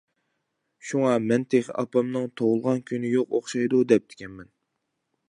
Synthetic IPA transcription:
ʃuŋɑmɛnt̪ʰeχɪ̰ʔɑ̰pɑmnɨŋt̪ʰoʁʊlˠʁɑnkʲʰynɪjoqoχʃɑjd̪ud̪ɛp̚d̪̥ʰɪ̥kʲɛnmɛn

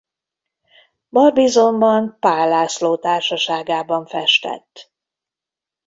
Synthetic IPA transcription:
bɒrbizo̞mbɒnpaːlːaːsloːt̪aːrʃɒʃaːɡaːbɒɱfɛʃt̪ɛ̰t̪ː

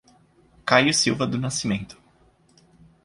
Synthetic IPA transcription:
kajʊsiwvɐd̪ʊnasimẽnt̪ʊ̥

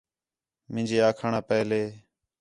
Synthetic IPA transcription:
mɪ̃ːd͡ʒeːaːkʰaːɳaːpəːleː

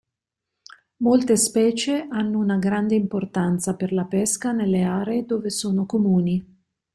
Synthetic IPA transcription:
molt̪espɛːt͡ʃeʔanːounaɡɾand̪eimport̪ant̪saperlapɛskanelːeaːɾeːd̪oːvesoːnokomuːni

